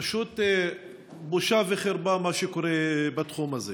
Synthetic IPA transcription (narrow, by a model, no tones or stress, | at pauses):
ʃot̪ | boʃaveχeɾbamaʃekoʁebat̪χumaze